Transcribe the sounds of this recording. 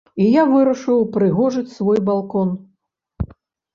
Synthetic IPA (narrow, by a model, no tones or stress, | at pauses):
ijavɨɾɐʂɨwpɾɨɣɔʐɨt͡sʲsvɔjbalˠkɔn